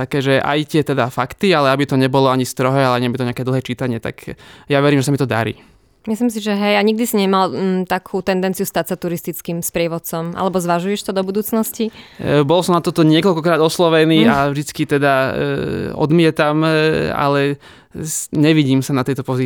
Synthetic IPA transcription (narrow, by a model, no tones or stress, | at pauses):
t̪akɛːʒɛʔa̰jt̪ɪɛt̪ɛd̪afakt̪ialɛabit̪ɔɲɛbɔlɔaɲist̪ɾɔɦɛalɛaɲiabit̪ɔɲɪakɛːd̪l̩ɦɛːt͡ʃiːt̪aɲɪɛt̪a̰kjaʋɛɾimʒɛs̬amit̪ɔd̪a̰ɾḭː | mislims̬iʒɛɦɛjaɲiɡ̚d̪isiɲɛmalt̪akʰuːt̪ɛnd̪ɛnt͡sijust̪acsat̪uɾist̪it͡skiːmspɾɪɛʋɔt̪t͡sɔmʔa̰lɛbɔzʋaʒujɛʃt̪ɔd̪ɔbud̪uːt͡snɔscibɔlɔsɔmnat̪ɔt̪ɔɲɪɛkɔlkɔkɾaːd̪ɔslɔʋɛniːavʒd̪it͡skit̪ɛd̪a | ɔ̰d̪mɪɛt̪ama̰lɛ | ɲɛʋiɟiːmsanat̪ɛjt̪ɔpɔzi